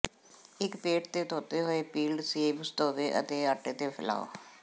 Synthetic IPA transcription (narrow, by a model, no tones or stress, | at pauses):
ɪkpeːʈt̪eːt̪ʰoːt̪eːɦoːeːpiːlɖseːbst̪oːʋeːʔə̰t̪eːaːʈeːt̪eːpʰɪla̰ːo̰ː